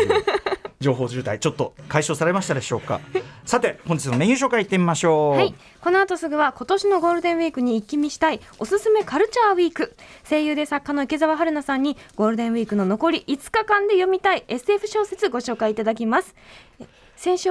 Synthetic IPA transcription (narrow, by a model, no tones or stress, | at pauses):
d͡ʑo̞ːɦo̞ːʑɨ̟ːt̪ait͡ɕo̞t̪ːo̞kaiɕo̞ːsaɾe̞maɕit̪ad̪e̞ɕo̞ːka̰sat̪e̞hõɲ̟d͡ʑi̥t͡sɨnomeɲ̃jɨːɕ̬o̞ːkait̪ːemʲimaɕo̞ːhai | ko̞noat̪o̞sɨɡɯ̟βako̞t̪o̞ɕino̞ɡo̞ːɾɯ̟d̪ẽ̞ɰ̃βiːkɯ̟ɲ̟iːkʲːimʲiɕi̥t̪ai | o̞sɨsɨme̞kaɾɯ̟t͡ɕaːβiːkɯ̟se̞ːjɯ̟ːd̪esakːano̞ike̞zaβaɦaɾɯ̟nasãɲ̟ːiɡ̥o̞ːɾɯ̟d̪ẽ̞βʲiːkɯ̟no̞no̞ko̞ɾʲiʔit͡sɨ̥kakãnd̪e̞jo̞mʲit̪aie̞sɨe̞ɸɯ̟ɕo̞ːse̞t͡sɨɡo̞ɕo̞ːkaiːt̪ad̪ak̬ʲimasɨ̥ | sẽ̞ɰ̃ɕɨ